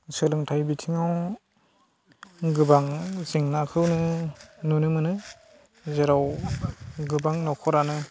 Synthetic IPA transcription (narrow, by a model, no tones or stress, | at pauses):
sɯlɯŋtʰajbitʰiŋaw | ɡɯbaŋziŋnakʰɯwnɯnunɯmɯnɯ | zeɾaw | ɡɯbaŋnɔkʰɔɾanɯ